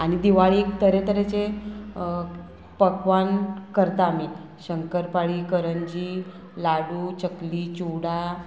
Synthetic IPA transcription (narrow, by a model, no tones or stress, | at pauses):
aɽ̃id̪iʋaɭikt̪əɾet̪əɾet͡se | pəkʋankəɾt̪aːmi | ɕəŋkəɾpaɭiːkəɾəɲd͡ʑiː | laɽuːt͡ɕəkliːt͡ɕuɽa